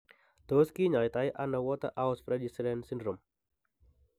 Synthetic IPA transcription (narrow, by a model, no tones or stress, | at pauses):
d̪̥ɔskiɲajt̪ajʔanawɔt̪a̰ʔaʊspɾɛdisɾɛnsindɾɔm